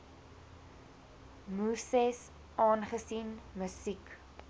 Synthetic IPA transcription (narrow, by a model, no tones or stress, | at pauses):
musɛs | ʔɑːnχəsinməsik